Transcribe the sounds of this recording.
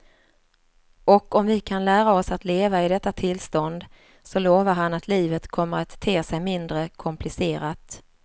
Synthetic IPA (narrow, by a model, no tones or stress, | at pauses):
ɔkɔmvɪkʰanlæːɾaɔsat̪leːvaɪd̪ɛt̪ːat̪ʰɪlst̪ɔnd̪ | sɔloːvaɾɦanat̪ʰliːvət̪kʰɔmːəɾat̪ʰːeːsɛjmɪnd̪ɾəkʰɔmplɪseːɾat̪